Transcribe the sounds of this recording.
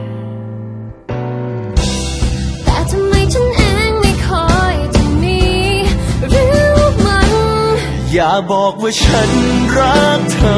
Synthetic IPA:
t̪ɛː˨˩t̪ʰa˧mːa˧jt͡ɕʰa˦˥˩nʔaː˧˥˩ŋma˧˩jkʰɔ˧˩jt͡ɕʰa˧ŋniː˧ | ɾɯː˦˥˧ma˧n | jaː˨˩k̚bɔː˨˩k̚waː˧˩t͡ɕʰa˦˥nɾa˦˥k̚t̪ʰa˧

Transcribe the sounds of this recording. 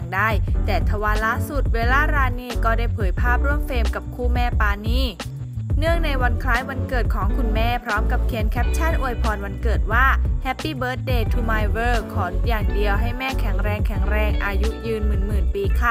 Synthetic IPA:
ŋdaː˥˩jt̪ɛː˨˩t̪ʰa˧waː˧˥laː˦˥su˨˩t̪̚weː˧laː˥˩ɾaː˧niː˥˩kɔː˥˩daː˥˩jpʰɤː˩˦jpʰaː˥˩p̚ɾu˥˩əmfeː˧mka˨˩p̚kʰuː˥˩mɛː˥˩paː˧niː˥˩ | nɯ˥˩əŋna˧jwa˧nkʰɾaː˦˥jwa˧nkɤː˨˩t̪̚kʰɔː˩˦ŋkʰu˧nmɛː˥˩pʰɾɔː˦˥mka˨˩p̚kʰi˨˧˦ənkʰɛ˦˥p̚t͡ɕʰa˥˩nʔu˧jpʰɔː˨˩nwa˧nkɤː˨˩t̪̚waː˥˩hɛ˦˥pːiː˥˩bɤː˦˥t̪̚deː˧t̪ʰuː˧maː˧jwɤː˧˩kʰɔː˩˦njaː˨˩ŋdi˧əwɦa˥˩jmɛː˥˩kʰɛ˨˩˦ŋɾɛː˧ŋkʰɛ˨˩˦ŋɾɛː˧ŋʔaː˧ju˦˥jɯː˧nmɯː˨˩nmɯː˨˩npiː˧kʰa˧˥˩

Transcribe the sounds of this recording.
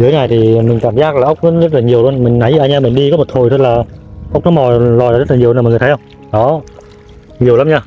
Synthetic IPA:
zɨ˨˦jŋaː˨˩jt̪ʰi˨˩mï˨˩ŋ̟kaː˧˩mzaː˦˥k̚laː˨˩ʔə˦˥wk͡p̚nɔ˨˦zə˦˥t̚laː˨˩ɲi˨˩əwlu˧ənmï˨˩ŋ̟na˨˦jɨ˧ʔaː˧˩ɲaː˧mï˨˩ŋ̟ɗi˧kɔ˨˦mo˨˩t̚t̪ʰo˨˩jt̪ʰə˦˥laː˨˩ʔk͡p̚nɔ˨˦mɔ˨˩lɔ˨˩aː˨˦z̚laː˨ɲi˨˩wːŋː˨˩t̪ʰhwŋ͡m | ɗɔ˨˦˨ | ɲi˨˩əwlaː˨˦mɲaː˧

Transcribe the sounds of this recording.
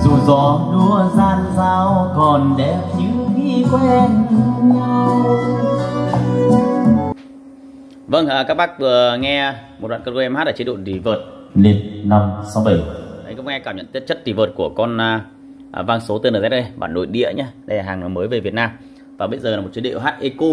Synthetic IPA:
zu˨˩zɔ˨˦ɗu˧əzaː˧nzaː˧wkɔ˨˩nɗɛ˧˩t͡ɕi˨˦wɣi˧˩kwmt̪ɨ˧˦ɲaː˧˩ | və˧nʔəː˨˩kaː˦˥k̚ɓaː˦˥k̚vɨ˨˩əŋɛ˧mo˨˩t̚ɓa̰ː˧˨kə˧kːʔɛ˧mhaː˦˥t̚laː˧˨˩t͡ɕi˦ɗo̰˧˨nt̪i˨˩vəː˨˩t̚ | le˧˩nna˧msa˨˦wɓə˧˩jʔə˨˦jkŋ͡mŋɛ˧kaː˧˩mɲə̰˧˨nt̪t̚t͡ɕə˦˥t̚ɗi˨˩vəː˨˩t̚ku˧˩əkɔ˧n˧ | ʔvaː˧nso˨˦t̪ɨ˧nəː˨˩zɛ˦˥ɗə˧jɓa̰ː˧˩nɗo̰˧˨jɗḭ˧˨əɲaː˧ɗə˧jlaː˨˩haː˨˩˨məː˨˦jve˨˩vi˨˩ət̚naː˧m | vaː˨˩ɓə˧jzəː˨˩laː˨˩m̚˨˩t͡ɕi˨˦ɗḭ˧˨ə˨ɦaː˦˥t̚ʔe˧ko˧

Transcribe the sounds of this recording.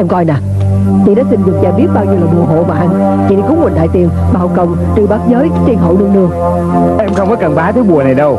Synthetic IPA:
ʔɛ˧mkɔ˧jnaː˨˩ | t͡ɕḭ˧˨˩ɗa˨˦sï˧nzɨ˨˩t̚t͡ɕaː˨˧˩ɓi˦˥t̚ɓaː˧wɲi˧wləː˨˩ɗɨ̰˨˩əɦo̰˧˨vaː˨˩ʔa˧n | t͡ɕḭ˧˩ɗi˧˩kʊ˨˦ŋ͡mmwe˨˩nɗa̰ː˧˨jt̪i˨˩ən | ɓaː˨˩hɔ˨˩wkə˨˩wŋ͡m | t͡ɕɨ˨˧˩ɓaː˨˦˥t̚zəː˨˦jt͡ɕi˧nɦo̰˧˨lɨ˧əŋnɨ˧əŋ | ʔɛ˧mxə˧wŋ͡mkɔ˨˦kə˨˩nɓaː˨˦t̪ʰəː˨˦jɓu˨˩əna˨˩jɗə˧w

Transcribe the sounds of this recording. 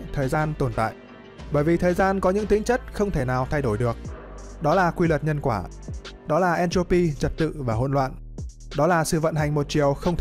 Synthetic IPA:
t̪ʰəː˨˩jzaː˧nt̪o˨˩nt̪a̰ː˧˨jʔ | ɓəː˧˩jvi˨˩t̪ʰəː˨˩jzaː˧nkɔ˨˦ɲɨ̰˧˥ŋt̪ï˨˦ŋ̟t͡ɕə˦˥t̚xə˧wŋ͡mt̪ʰe˧˩naː˨˩wt̪ʰa˧jɗo˧˩jɗɨ˨˩ək̚ɗɔ˨˦laː˨˩kwi˧lə˨˩t̚ɲə˧nkwaː˧˩ | ɗɔ˨˦laː˨˩ʔɛ˧nt͡ɕo˧pi˧t͡ɕə˨˩t̚t̪ɨ̰˧˨vaː˨˩ɦo̰˧˨nlwa̰ː˧˨n | ɗɔ˨˦laː˨˩sɨ̰˧˨və̰˧˨nɦa˨˩jŋ̟mo˨˩t̚t͡ɕi˨˩əwxə˧wŋ͡mt̪ʰ

